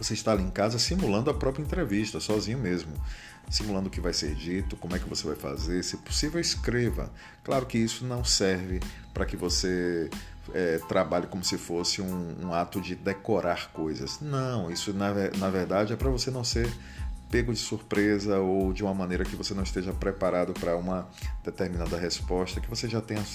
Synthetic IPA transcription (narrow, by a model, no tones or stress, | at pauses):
voseiʃt̪aaliẽkazɐsimulɐ̃nd̪ʊɐpɾɔpɾiɐẽnt̪ɾeviʃt̪ɐsɔzĩɲʊmezmʊ | simulɐ̃nd̪ʊkɪvajsḛɾd͡ʒit̪ʊkõmʊɛkɪvosevajfa̰zeɾsɪpo̥sivewiskɾevɐ̰ | klaɾʊkɪisʊnɐ̃w̃sɛɾvɪ | pɾɐkɪvose | ɛt̪ɾabaʎɪkõmʊsɪfosɪũṵ̃at̪ʊd͡ʒɪd̪ekoɾaɾkojzɐ̰snɐ̃w̃isʊnɐvɛnɐveɾd̪ad͡ʒɪɛpɾɐvosenɐ̃w̃seɾ | peɡʊd͡ʒɪsuɾpɾezɐowd͡ʒɪũmɐmɐ̃nejɾɐkɪvosenɐ̃w̃ist̪eʒɐpɾepaɾad̪ʊpɾɐũmɐ | d̪̥et̪eɾmĩnad̪ɐɦespɔʃt̪ɐkɪvoseʒat̪ẽj̃ɐ